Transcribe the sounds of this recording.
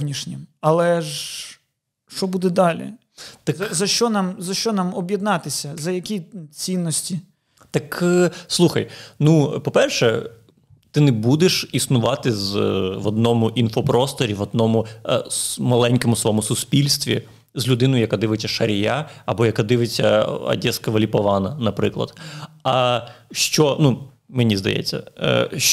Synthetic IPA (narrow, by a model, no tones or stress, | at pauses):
nʲiʃnʲimɐlˠɛʒ | ʃt͡ʃɔbud̪ɛd̪ɑlʲḭ | t̪ɐkzɐʃt͡ʃɔnɑmzɐʃt͡ʃɔnɑmɔbʲjɛd̪nɑt̪ɪsʲɐzɐjɐkʲit͡sʲinːɔsʲtʲi | t̪ɐkslˠuxɐ̰jnupɔpɛrʃɛ | t̪ɪnɛbud̪eʃisnʊʋɑt̪ɪzʋɔd̪nɔmʊʔinfɔpɾɔst̪ɔɾʲiʋɔd̪̚nɔmʊ | mɐlˠɛnʲkɔmʊsʋɔmʊsʊspʲilʲst̪ʋʲḭ | zlʲʊd̪ɪnɔjʊjɐkad̪ɪʋɪt͡sʲːɐʃɐɾʲjaɐbɔjɐkad̪ɪʋɪt͡sʲːɐ̰ɐ̰dʲɛskɐʋɐlʲipɔʋɑnɐnɐpɾɪ̰klˠɐ̰d̪ɐʃt͡ʃɔnu | menʲizd̪ɐ̰jɛ̰t͡sʲːɐ̰